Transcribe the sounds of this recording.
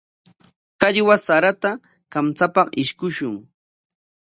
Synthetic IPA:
kaʎwasaɾat̪a | kamt͡sapɑqɪʃkʊʃʊŋ

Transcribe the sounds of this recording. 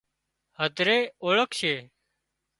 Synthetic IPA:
həd̪ʱɾeːoːɭəkʃeː

